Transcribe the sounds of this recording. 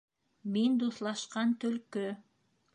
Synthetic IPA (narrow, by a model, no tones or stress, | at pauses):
mind̪oθlˠɑʃqɑnt̪ølkø